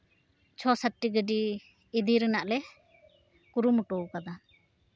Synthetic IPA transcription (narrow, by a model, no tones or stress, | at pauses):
t͡ʃʰɔsaʈːiɡəɖiː | d̪iɾənaʔlɛ | kuɾumuʈɔukad̪a